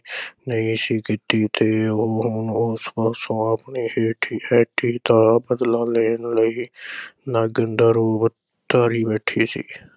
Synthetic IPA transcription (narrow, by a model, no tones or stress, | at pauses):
nəĩːsiːkɪt̪iːt̪eɦʊnʊspəsõːəpniːheːʈʰiːʔɛːʈʰiːt̪aːbəd̪lãːleːnləiːnaɡənd̪əɾoːb | t̪ːaɾiːbɛːʈʰiːsḭː